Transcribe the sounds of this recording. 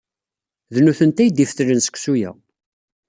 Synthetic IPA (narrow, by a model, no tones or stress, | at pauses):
ðnuθənt̪æjd̪ifθɾənsə̥kʷsujæ̰